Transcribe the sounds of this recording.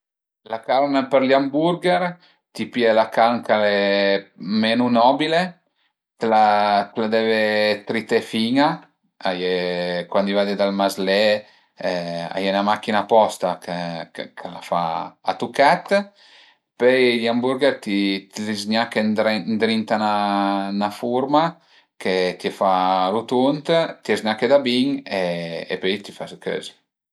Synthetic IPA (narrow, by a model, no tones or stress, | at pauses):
lakalməpəɾliambuɾɡeɾ | t̪ipjelakalmkale | menunɔbile | t̪lat̪lad̪ɛvet̪ɾit̪efiŋa | ajekwand̪ivad̪ed̪almazle | a̰jenamakːinapɔst̪akekkʰəla̰fa̰at̪ukat̪ | pøjliambuɾɡɛɾt̪it̪ilizɲakennd̪ɾint̪ananafuɾma | ket̪iefaɾut̪unt̪t̪ezɲaked̪abiŋeḛpøjt̪ifaskø̰z